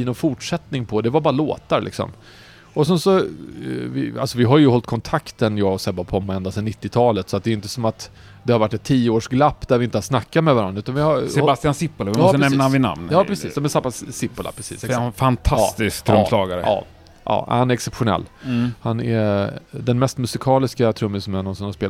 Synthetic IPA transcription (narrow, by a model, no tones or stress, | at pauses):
ɪnɔnfʊʈʂɛt̪nɪŋpʰɔd̪ɛvaɾbɑːɾalo̰ːt̪aɾlʔɪ̰ksɔ̰m | ɔsɛnsɔ | vɪ̰a̰lsɔvɪɦaɾjɵɦɔlt̪̚kʰɔnt̪ʰakt̪ənjɑːɡsɛbapʰɔmːɛnd̪asɛnːɪt̪ːɪt̪ʰɑːlət̪sɔat̪̚d̪ɛːjʏnt̪əsɔmat̪ | d̪ɛhaɾvaʈːɛt̪ʰːiːəoːʂɡlapːd̪æɾvɪɪnt̪əhasnakːat̪mɛvaɾa̰nːʉːt̪anvɪhaɾsɛbast̪ɪansɪpːʊlavɪɔənɛmːnaanvɪna̰mnjɑːpɾɛsḭːsd̪ɔmɛsabassɪpːəla̰pʰɾɛsḭːsɛfant̪ʰaːst̪ɪskt̪ʰɾɵmːslɑːɡaɾə̰ɑ̰ː | ʔɑ̰ːhanæɾɛksɛpɧʊnɛ̰lːhanɛ̰d̪ɛnmɛst̪mɵsɪkʰɑːlɪskat̪ʰɾɵmːɪsɔmɛnɔnsɔnhaspeːl